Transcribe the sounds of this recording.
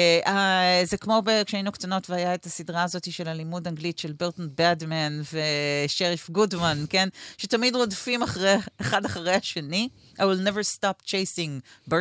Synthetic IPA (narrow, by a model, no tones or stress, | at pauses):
ʔazekmo̞bekʃeainuktano̞tveajaetasidʁaːzo̞tiʃe̞lalimudaŋɡlitʃelbeʁtn̩bɛdmɛnveʃeʁifɡudmankenʃetamidʁodfimaχʁeeχadaχaʁejhaʃeni | ʔawilnevəɾstapt͡ʃejsiŋbe